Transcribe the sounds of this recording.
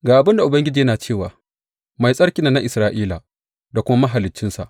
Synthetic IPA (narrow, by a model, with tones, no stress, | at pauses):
ɡaː˨ʔa˨bɪ˦nda˨ʔʊ˨bɐ˦ŋɡʲɪ˦d͡ʒiː˨jɐ˦naː˨t͡ʃeː˦˨waː˨ | ma˨jsʼɐ˦ɽkʲi˨˦naː˦na˦ʔɪ˨sɾaː˦ʔiː˦la˨ | da˨kʷʊ˦ma˦mɐ˦ɦa˨lɪ˨t͡ʃːɪ˦nsa̰˨ʔ